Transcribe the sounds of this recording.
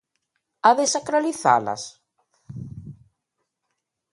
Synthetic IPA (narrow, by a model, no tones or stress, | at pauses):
aðesakɾaliθa̰la̰s